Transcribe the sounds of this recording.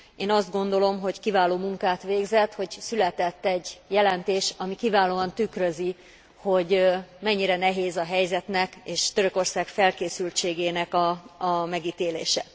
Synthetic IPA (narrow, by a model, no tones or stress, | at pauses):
eːnɒzd̪ɡo̞nd̪o̞lo̞mɦo̞ckivaːloːmuŋkaːt̪ʋeːɡzɛt̪ho̞ɟsylɛt̪ɛt̪ːɛɟjɛlɛnt̪eːʃɒmikivaːloːɒnt̪ykrøzi | ho̞ɟmɛɲːiɾɛnɛɦeːzɒɦɛjzɛt̪nɛkeːʃt̪øɾø̞ko̞rsaːkfɛlkeːsylt͡ʃeːɡeːnɛkɒːmɛɡiːt̪eːlḛːʃɛ